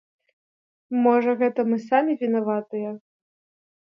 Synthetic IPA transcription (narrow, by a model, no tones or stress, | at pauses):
mɔʐɐɣɛt̪ɐmɨsamʲivʲinavat̪ɨjɐ